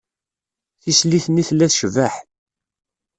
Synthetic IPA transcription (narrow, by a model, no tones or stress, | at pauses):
θisliθniθlːæθʃvəħ